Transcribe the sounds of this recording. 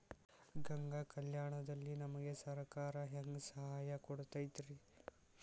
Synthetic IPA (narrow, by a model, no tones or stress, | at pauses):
ɡɐŋɡakɐljaːɳɐd̪ɐlːinɐmɐɡesɐɾkaːɾɐɦeŋɡsɐɦaːjɐkɔɽt̪aːjt̪ɾi